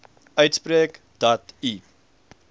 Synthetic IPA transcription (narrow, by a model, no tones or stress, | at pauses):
œɥtspɾeːk | d̥ɔti